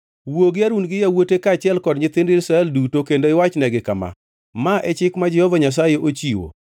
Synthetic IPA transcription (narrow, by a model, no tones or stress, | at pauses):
woɡɪaɾunɡɪjawotekat͡ʃɪɛlkɔdɲɪt̪ɪndɪisɾaɛldutokendoɪwat͡ʃnɛɡɪkama̰ | maʔɛt͡ʃɪkmad͡ʒɛhɔvaɲas̬ajeʔot͡ʃiwo̰